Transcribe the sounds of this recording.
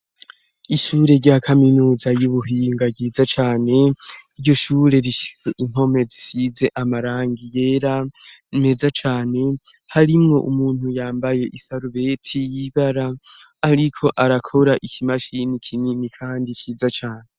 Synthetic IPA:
iʃuːɾe̞ɾɟaːkʰaminuːzajuβuɦiːŋɡabɡiːzat͡ʃaːne̞iɾɟo̞ʃuːɾe̞ɾiʃi̥se̞ʔiŋ̥ɦo̞me̞zisize̞ʔamaɾaːŋɡije̞ːɾame̞zat͡ʃaːne̞ | haɾimŋo̞ʔumuːn̥hujaːmbaje̞ʔisaɾuβe̞tʰijiβaɾaː | ɾikʰo̞ʔaɾakʰo̞ɾaʔikʰimaʃinikʰininikʰaːndit͡ʃiːzat͡ʃaːne̞

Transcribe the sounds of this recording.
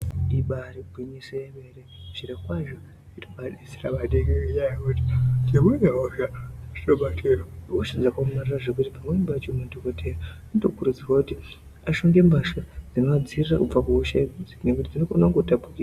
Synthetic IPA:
ɗiɓaɾibʱiɲiseemeɾekuʃiɾakwaʒo | itoɓaɗisiramateŋɡeijajakuti̥d͡ʒemweneɦofjaʐitoɓatʰiɾaɦoʃad͡zakaumariraʐek̬utipamwembat͡ʃomundokotʰejaanotokuɾud͡zirwakuti | aʃoŋɡe̞mbaʃod͡zinoad͡zirirakub͡vakuɦoʃaikud͡zinekutid͡zinokonaŋɡotapukira

